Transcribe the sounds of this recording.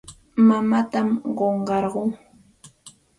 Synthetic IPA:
mamat̪amɢoɴɢɑɾɢʊŋ

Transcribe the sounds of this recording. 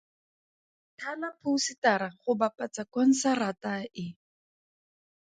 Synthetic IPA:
tʰanapʰusitaɾaχʊbapat͡sakwan̩sarataɪ

